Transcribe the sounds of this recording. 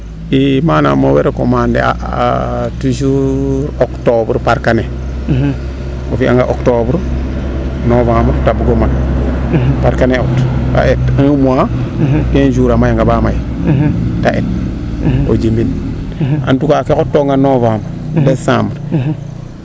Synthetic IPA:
imaːna̰moweɾeko̰mandḛa̰ | tuʃuɾoktobɾpaɾkane | ofia̰ŋɡa̰ʔoktobɾ | novambɾtabuɡoman | paɾkaneota̰ʔetaŋmua | tend͡ʒuɾamajaŋɡabamaj | taʔet̚ | o̰d͡ʒimbin | a̰ntukakekotːoŋɡanovaːmbɾdesãːmbɾ

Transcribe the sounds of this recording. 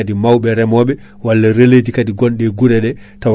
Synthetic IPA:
adimawɓɛɾɛmɔːɓɛ | walːaɾeled͡ʒikadiɡɔnɗɛɡuɾɛɗɛ | taw

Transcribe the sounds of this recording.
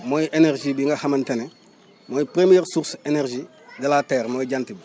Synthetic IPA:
mojiʔenerʒibiŋɡahamɐntene | mojipɾemijeɾsuɾsenerʒi | dalateːɾmoiɟantibi

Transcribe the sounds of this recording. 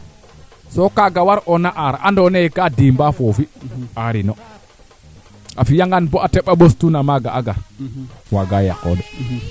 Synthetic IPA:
sɔkaɡawaɾʔɔnaʔaɾaʔandɔnɛkadimbafofiaɾinɔ | ʔafijaŋɡanbɔʔatɛɓabostunamaɡaʔaɡa | waɡaja̰kɔdɔ

